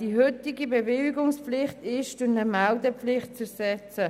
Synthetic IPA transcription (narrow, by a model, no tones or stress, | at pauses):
d̥iɦʏtɪɡibevɪlɡʊŋspflɪχtɪʃtʊnəmaldəpflɪχt̚t͡sɛsɛt͡sə